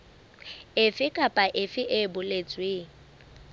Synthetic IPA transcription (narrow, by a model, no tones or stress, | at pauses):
ɪfɪkʼapʼaʔɪfɪʔɪbʊlet͡sʼweːŋ̩